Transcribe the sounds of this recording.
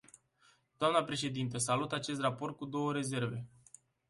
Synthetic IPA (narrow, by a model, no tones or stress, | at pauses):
d̪̥oamnəpɾe̞ʃe̞d̪int̪əs̬alut̪at͡ʃe̞st̪rapo̞rt̪̚kud̪o̞wəɾe̞ze̞rve̞